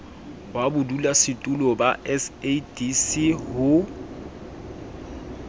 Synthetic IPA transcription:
wabʊdulasɪtʼulɔbaʔɛsedisihʊ

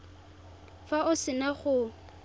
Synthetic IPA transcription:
faʊsɪnaχʊ

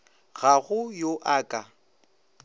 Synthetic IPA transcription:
ɣaɣʊjoʔaːkʼa

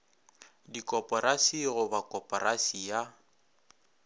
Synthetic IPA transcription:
dikʼɔpʼɔɾasiɣʊbakʼɔpʼɔrasija

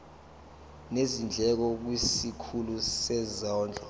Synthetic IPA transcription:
nezind͡ɮʱɛk̬ɔk̬wisikʰulusɛzɔːnd͡ɮʱɔ

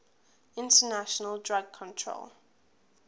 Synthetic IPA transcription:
ɪ̃ntənaʃɔnəldɹaɡ̚kʰɔ̃ntʰɹo̰l

